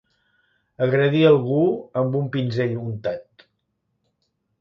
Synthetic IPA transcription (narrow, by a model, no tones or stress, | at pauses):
əɣɾəðiəlˠɣuəmbumpinzɛʎunt̪at̪